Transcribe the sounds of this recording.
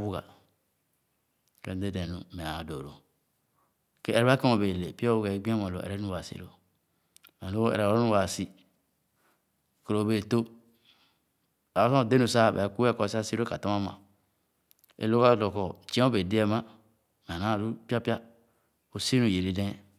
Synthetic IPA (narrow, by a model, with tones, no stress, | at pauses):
wu˦ɡa̰˨ | ke˦de˦dẽ˨nu˨me˨a˨do˨ɾo˨ | ke˦e˨ɾɛ˦βa˦ke˦o˨be˨le˨pi˦o˦wu˦ɡa˨˦ɡ͡bi˦a˦mõ˨lo̰˨ḛ˨ɾe˦u˦wa˨sḭ˨ɾo˦ | me˨o˦ḛ˨ɾe˨˦o˦u˦wa˨si˦˨ | ko˨ɾo˨be˨to˦ | a˨˦sõ˦˨de˦nu˨sa˦˨bḛ˨ku˦e˦ko˦˨sa˦si˦ɾo˦ka˨to˦ma˦ma̰˨ | ḛ˨lo˦ka˦lo˨ko˨t͡ʃi˦ẽ˦o˦be˨di˦e˦ma˦ | me˨na˦˨ɾu˦pi˦a˦pi˦a˦ | o˨si˦nu˦˨je˨ɾi˨˦dẽ˦